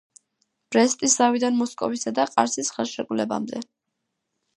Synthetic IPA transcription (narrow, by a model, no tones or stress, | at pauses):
b̥ɾɛst̪ʼiszavid̪anmɔskʼɔ̰visad̪aqʼa̰ɾsisχɛlˠʃɛkʼulɛba̰md̪ɛ